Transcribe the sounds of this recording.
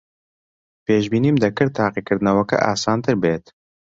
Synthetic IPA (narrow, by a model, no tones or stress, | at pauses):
peːʃbiːniːmd̪ɐkɨɾt̪ʰaːqikɨɾd̪ɨnɐwɐkɛ̰ʔa̰ːsaːnt̪ɨɾbeːt̪